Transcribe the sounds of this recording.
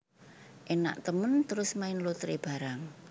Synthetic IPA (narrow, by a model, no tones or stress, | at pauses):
ʔena̰ʔt̪əmənt̪əɾʊsmaɪnlut̪ɾeb̥a̤ɾaŋ